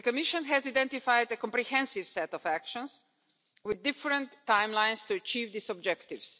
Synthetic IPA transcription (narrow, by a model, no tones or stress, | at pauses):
əkɔmiʃə̃nɦɛzaɪdɛ̃ntifajdəkɔ̃mpɾihɛ̃nsivsɛt̪ɔfækʃɔ̃ns | wɪd̪ːɪfɾə̃nt̪ːãjmlãj̃nst̪uɐt͡ʃiːvd̪isɔbd͡ʒɛkt̪ivs